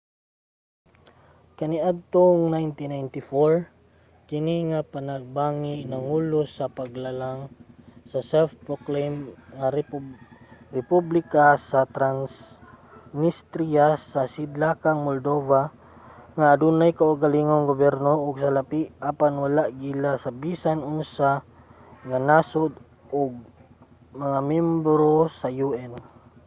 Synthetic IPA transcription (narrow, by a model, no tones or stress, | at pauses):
kɐniʔad̪̚t̪oŋnajnt̪inajnt̪ɪfoɹ | kɪniŋapanaɡ̚baŋinɐŋuːlosɐpaɡlalaŋsɐsɛlfpɾoklemŋa | ɾɛpublɪkasɐt̪ɾans | nist̪ɾiasasid̪lakaŋmold̪ova | ŋaːd̪unajkaʔʊɡaliŋoŋɡobɛɾnoʔʊɡsalapiʔapanwalaʔɡilasabisanʊnsa | ŋanasʊd̪ | ʔʊɡ̚ | maŋamɛmbɾosajuɛn